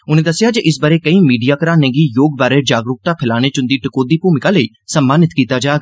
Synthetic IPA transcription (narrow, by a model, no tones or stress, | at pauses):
ʊnẽːd̪əsɪjaːd͡ʒeʔɪs̬baɾeːkəĩːmiːɖijaːkəɾaːnẽːɡiːjoːɡ̚baːɾeːd͡ʒaːɡɾʊk̚t̪aːpʰɪlaːñeːt͡ʃʊ̃nd̪iːʈɪkoːd̪iːpuːmɪkaːləiː | səmːaːnɪt̪kiːt̪aːd͡ʒaːɡ